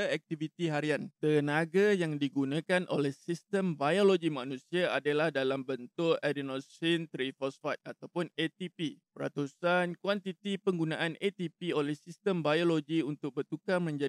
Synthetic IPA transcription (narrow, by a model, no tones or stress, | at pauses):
ɛk̚t̪ivit̪iɦaɾiant̪ənaɡajaŋdiɡunãkanʔolɛhsist̪əmbajoloɡimanũsiaadalahdalambənt̪ʊʔadinosint̪ɾifɔsfat̪̚at̪awpʊnet̪ipipəɾa̰t̪usankwant̪it̪ipəŋɡunãʔanet̪ipiolɛhsist̪əmbajoloɡiunt̪ʊk̚bərt̪ukamə̃ɲd͡ʒa